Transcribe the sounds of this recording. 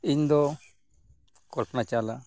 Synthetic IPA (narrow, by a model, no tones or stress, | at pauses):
ind̪ɔ | kɔpnat͡ʃala